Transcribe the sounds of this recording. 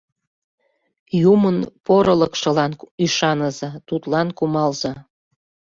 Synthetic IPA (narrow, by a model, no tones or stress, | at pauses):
jumənpoɾələkʃə̆lɑnyʃɑnəzɑt̪ut̪lɑnkumɑlzɑ